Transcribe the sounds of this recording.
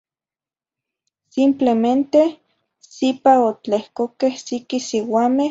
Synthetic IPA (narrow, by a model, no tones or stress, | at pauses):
simplement̪e | sipaot͡ɬehkokehsikisiwaːme